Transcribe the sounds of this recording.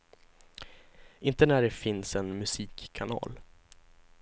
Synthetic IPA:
ʔɪnt̪ənæɖɛfɪnsɛnmɵsiːkʰːanɑ̰ːl

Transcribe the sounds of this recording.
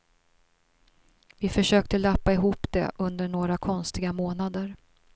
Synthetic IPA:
vɪfœʂøːkt̪əlapːaɪɦuːpd̪ɛ̰ʔɵnd̪əɳoːɾakʰɔnst̪ɪɡamoːnad̪əɾ

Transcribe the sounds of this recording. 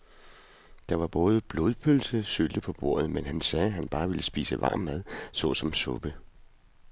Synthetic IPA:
d̥ɑ̈ʋɑ̈b̥ɔ̽ːð̞ˠb̥lo̝ð̞ˠpʰølsəsøld̥əpʰɒ̽b̥o̝̰ɐ̰ð̩ˠmenɦænsɛːɦænb̥ɑ̈ːʋeləsb̥ḭːsəʋɑ̰̈ːmːæð̞ˠsɔ̽sɒ̽msɔ̽b̥ə

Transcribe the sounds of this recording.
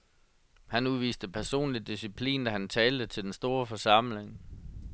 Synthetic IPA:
hænuðˠʋḭːsd̥əpʰæɐso̝̰ːnlidːisipʰlḭːnd̥æhænt͡sʰɛːld̥ət͡sʰe̝ld̥ensd̥o̝ːɐfɒ̽sɑ̈m̰le̝ŋ

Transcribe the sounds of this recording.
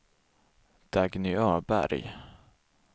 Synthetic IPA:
d̪̥aɡnʏœːbæ̰ɾj

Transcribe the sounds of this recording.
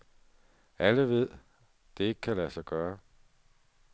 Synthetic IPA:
æləʋe̝ð̰ˠ | d̥e̝e̝ɡ̥əkʰælæsɑ̈ɪɡ̥ɶːɐ

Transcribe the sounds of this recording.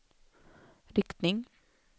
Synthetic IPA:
ɾɪkt̪nɪŋ

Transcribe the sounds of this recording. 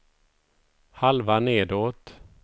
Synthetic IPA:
halvaneːd̪oːt̪

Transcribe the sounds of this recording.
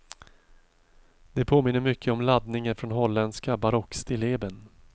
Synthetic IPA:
d̪̥ɛpʰoːmɪnːəɾmʏkʰːəɔmlad̪nɪŋənfɾɔnɦɔlːɛnskabaɾɔkst̪ʰɪleːbən

